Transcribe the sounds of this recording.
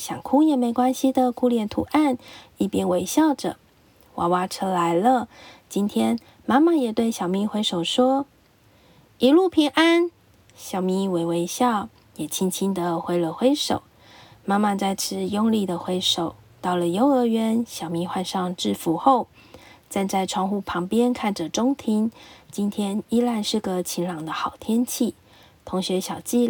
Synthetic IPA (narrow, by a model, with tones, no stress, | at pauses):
ɕjɑ˨˩ŋkʰu˥jɛ˨˩me˧˥ɪkwa˥nɕi˨d̪ə˨kʰu˥ljɛ˨˩nt̪ʰṵ˧˥ʔa˥˧ni˥˩pjɛ˥nwe˧˥ɪɕjɑ˥˩ʊʈ͡ʂɤ̰˨˩ | wa̰˨˥wa˧˥ʈ͡ʂʰɤ˧˥la˧˥ɪlə˧t͡ɕi˥nt̪ʰjɛ˥n | ma˥ma˥˨jɛ˨˩t̪we˥˩ɪɕjɑ˨˩ʊmi˧˥xwe˧˥ɪʂo˨˩ʊʂwɔ˥ | i˧˥lu˥˩pʰi˧˥ŋʔa˥n | ɕjɑ˨˩ʊmi˧˥we˧ɪwe˧˥ɪɕjɑ˥˩ʊ | jɛ˨˩t͡ɕʰi˧˥nt͡ɕʰi˥nd̪ə˨xwe˧˥ɪlə˨˩xwe˥ɪʂo˨˩˦ʊ | ma˥ma˥˧t͡sa˥˧ɪt͡sʰɻ̩˥jo˥ŋli˥˩d̪ə˩xwe˧˥ɪʂo˨˩ʊ | t̪ɑ˥˩ʊlə˩jo˧˥ʊə˧˥ɥɛ˧˥nɕjɑ˨˩ʊmi˧˥xwa˥˧nʂɑ˥˧ŋʈ͡ʂɻ̩˥˩fu˧˥xo˥˩ʊ | t͡sa˥˧nt͡sa˥˩ɪʈ͡ʂʰwɑ˥˧ŋxu˥˩pʰɑ˧˥ŋpjɛ˥nkʰa˥˩nʈ͡ʂə˨˩ʈ͡ʂʊ˥ŋt̪ʰi˧˥ŋt͡ɕi˥nt̪ʰjɛ˥ni˥la˥˧nʂɻ̩˥˩ɡə˨˩t͡ɕʰi˧˥nlɑ˨˩ŋd̪ə˦xɑ˨˩ʊt̪ʰjɛ˥nt͡ɕʰi˥˩ | t̪ʰo˧˥ŋɕɥɛ˧˥ɕjɑ˨˩ʊt͡ɕi˥˧